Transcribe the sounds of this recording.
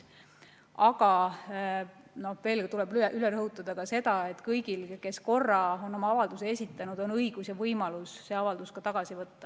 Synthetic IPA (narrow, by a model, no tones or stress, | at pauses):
ɑɡ̥ɑ | no̞hve̞ːlkt̪ulebʔyleɾɤɦut̪ːˑɑd̪̥ɑkɑse̞d̪̥ɑe̞t̪ːˑkɤjɡ̥ilke̞sko̞rːɑo̞nːo̞mɑɑvɑld̪useesʲit̪ːˑɑnud̪̥o̞nɤjɡ̥usjɑvɤjmɑlusse̞ɑvɑld̪̥uskɑt̪ɑɡ̥ɑsivɤt̪ːɑ